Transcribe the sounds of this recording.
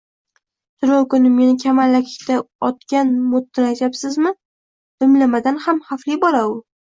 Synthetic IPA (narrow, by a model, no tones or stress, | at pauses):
t̪ʰʊɾowkʊnɪmːe̞nɪkʲʰamalːakʲʰɪ̥kʲt̪ʰaɒt̪kʲanmʊt̪ːɪɾajt̪apsɪzmɪ | d̪ʊmlamad̪anhamχaflɪbɒɾaʊ